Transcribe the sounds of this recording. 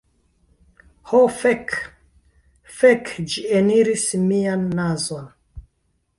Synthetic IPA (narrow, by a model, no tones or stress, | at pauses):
hofek | fekd͡ʒieniɾismianːazon